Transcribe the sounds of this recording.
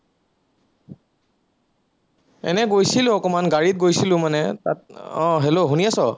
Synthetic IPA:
ɛ̰nɛɡojsilʊ̃ɔkɔmanɡaɹit̚ɡojsilʊ̃manɛta̰tɔ̰̃ɦeloɦuniasɔ

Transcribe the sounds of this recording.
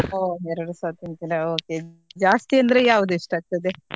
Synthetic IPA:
oːɛɾɐɽusaːt̪int̪ilɐoːke | d͡ʒaːst̪ijɐnd̪ɐɾejaːʋud̪uiʂʈaːɡ̚t̪ɐd̪e

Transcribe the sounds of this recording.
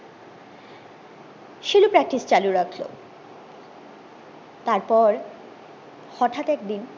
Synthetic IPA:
ʃelupɾɛk̚ʈist͡ɕaluɾakʰlo̰ | t̪aɾpɔɾ | hɔʈʰat̪ɛk̚d̪in

